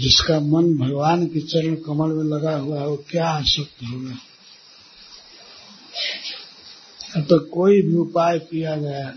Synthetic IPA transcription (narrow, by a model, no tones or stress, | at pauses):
d͡ʒɪskamənbʱəɡʋaːnkit͡ʃəɾəɳkəməlmẽləɡaɦuaɦokjaasəkt̪ɦona | ət̪əkoːibʱiʊpaːjpijad͡ʒaːe